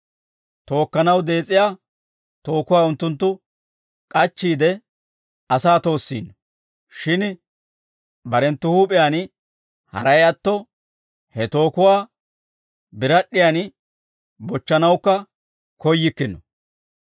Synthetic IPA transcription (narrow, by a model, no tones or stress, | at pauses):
t̪o̞ːkːɐnɐwd̪e̞ːt͡sʼːɪjaː | t̪o̞ːkʊwaːʊnt̪ːʊnt̪̬ːʊ | kʼɐt͡ʃːiːd̪ɛ | ɐsaːt̪o̞ːsːḭːnːɔ | ʃɪn | bɐɾɛnt̪ːʊhuːpʼɪjaːn | hɐ̰ɾɐjɐt̪ːɔ | hɛt̪o̞ːkʊwaː | bɪɾɐɗːɪjaːn | bɔt͡ʃːɐnɐwkːɐ | kɔjːɪkːɪnːɔ